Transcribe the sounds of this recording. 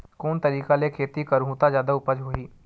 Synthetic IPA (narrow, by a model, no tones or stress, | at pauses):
koːnt̪ɐɾiːkalekʰeːt̪ikɐɾɦũːt̪azjaːd̪aʊpəd͡ʒɦoiː